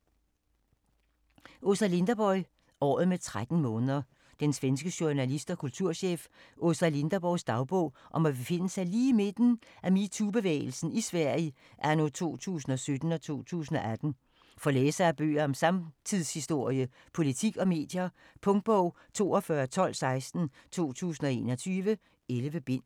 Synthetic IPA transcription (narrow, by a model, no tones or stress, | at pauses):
ʔo̝sæle̝nd̥ɐb̥ɒ̽ɪ | ɒ̰ːð̩ˠmet͡sʰʁad̥n̩mɔ̽ːnəðˠɐ | d̥ensʋensɡ̥əɕo̝nælisd̥ɒkʰult͡sʰuɐ̰ɕḛːfʔosæle̝nd̥ɐb̥ɒ̽ʊsd̥ɑ̈ʊb̥ɔ̽ʊ̰ʔɒ̽mæb̥e̝fe̝n̰əsɑ̈ɪliːime̝d̥n̩ʔæmit͡sʰub̥e̝ʋḛːɪl̩sn̩isʋæɐ̰i | ʔæɐnot͡sʰo̝̰ːt͡sʰṵːs̬n̩ɒ̽sød̥n̩ɒ̽t͡sʰo̝̰ːt͡sʰṵːs̬n̩ɒ̽æd̥n̩ | fɒ̽leːsɐæb̥ø̰ːɐɒ̽msɑ̈mt͡sʰið̰ˠshisd̥o̝ɐ̰jə | pʰo̝lit͡sʰiɡ̥ɒ̽me̝̰ːd̥jɐ | pʰɔ̽ŋd̥̚b̥ɔʊ̰ | t͡sʰo̝̰ːɒ̽fɶɐt͡sʰɒ̽l̰sɑ̈ɪsd̥n̩t͡sʰo̝̰ːt͡sʰṵːsn̩ɒe̝ːnɒt͡sʰyːʋə | elʋəb̥e̝n̰